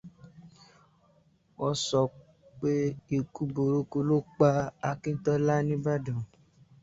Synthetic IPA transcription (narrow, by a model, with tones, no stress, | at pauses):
wɔ˧sɔ˨ | k͡pe˦i˨ku˦bo˨ɾo˦ko˧lo˦k͡pa˦a˧kĩ˦n̩˦tɔ˦la˦nĩ˦ba˦dã˨